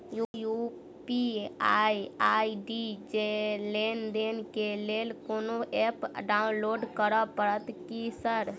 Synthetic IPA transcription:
juju | piaiaiɖid͡ʒelend̪enkelelkonoepɖaunloɖkəɾəpəɾət̪kisəɾ

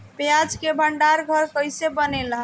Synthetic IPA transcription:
pead͡ʒkebʱəɳɖaɾɡʱəɾkəjsebənela

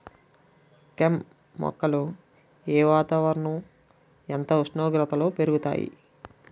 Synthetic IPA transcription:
kemː | ɔ̰kːɐlu | ɛːʋaːt̪aːʋɐɾɳu | ɛnt̪ɐuʂnɐʋɡɾɐt̪ɐlo̞ːpe̞ɾuɡut̪a̰ːjḭ

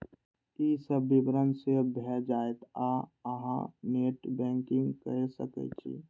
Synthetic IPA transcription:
isəbːibɾənsebʱɛd͡ʒaːet̪aəɦã̰neʈbɛ̃ŋkɪ̃ŋɡkəesə̰kɛ̰t͡ʃʰḭ

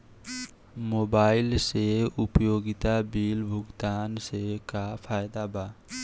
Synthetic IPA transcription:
moːbaːɪlseʊpjoːɡɪt̪abiːlbʱʊɡt̪aːnsekapʰaːjɪd̪aːbaː

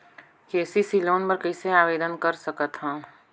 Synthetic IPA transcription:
keːsisiloːnpɐɾkɐiseaːʋeːd̪ənkɐɾsɐkət̪ɦãː

